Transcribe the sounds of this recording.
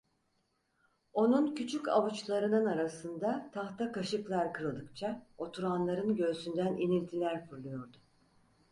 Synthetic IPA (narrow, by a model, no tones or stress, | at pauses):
o̞nuncʰyt͡ʃʰyca̰βut͡ʃlˠaɾɯnɯnaɾasɯnd̪at̪ʰaxt̪akaʃɯklˠaɾkɯɾɯlˠd̪ɯkt͡ʃʰao̞t̪ʰuɾanlˠaɾɯnɟø̞synd̪ænʔinilʲt̪ʰilʲæɾfɯɾlˠujo̞ɾd̪ʊ